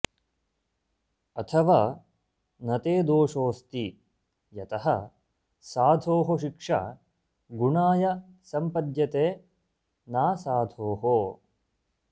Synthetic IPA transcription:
ɐt̪ʰɐʋaː | nɐt̪eːd̪oːʂoːst̪i | jɐt̪ɐɦɐ | saːd̪ʱoːɦoʃikʂa̰ | ɡuɳaːjɐ | sɐmpɐd̪jɐt̪eː | naːsaːd̪ʱoːɦo

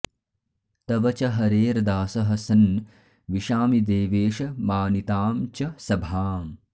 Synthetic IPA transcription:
t̪ɐʋɐt͡ʃɐɦɐɾeːɾd̪aːsɐɦɐsɐn | ʋiʃaːmid̪eːʋeːʃɐmaːnit̪aːmt͡ʃɐsɐbʱaːm

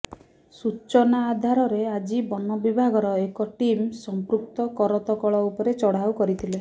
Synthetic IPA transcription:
sut͡ʃɔnaːd̪ʱaɾɔɾead͡ʒibɔnɔbibʱaɡɔɾɔekɔʈimsɔmpɾuk̚t̪ɔkɔɾɔt̪ɔkɔɭɔupɔɾet͡ʃɔɽ̤awkɔɾit̪ʰile

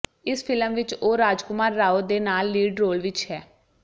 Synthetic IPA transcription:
ɪspʰɪləmʋɪt͡ʃoːɾaːd͡ʒkʊmaːɾːaːoːd̪eːnaːlːiːɖɾoːlʋɪt͡ʃɦɛː

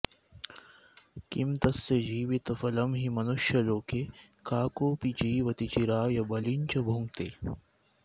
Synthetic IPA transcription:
kimt̪ɐsːed͡ʒiːʋit̪ɐfɐlɐmɦimɐnuʃjɐloːke | kaːkoːpit͡ʃiːʋɐt̪it͡ʃiɾaːjɐbɐlint͡ʃɐbʱuŋɡt̪eː

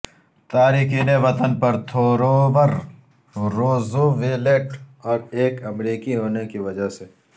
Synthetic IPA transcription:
t̪aːɾiːxiːneʋɐt̪ənpɐɾt̪ʰoːɾoːbɐɾ | ɾoːzoʋeːleʈɔːɾeːkɐmɾiːkiɦoːnekiʋɐd͡ʒase

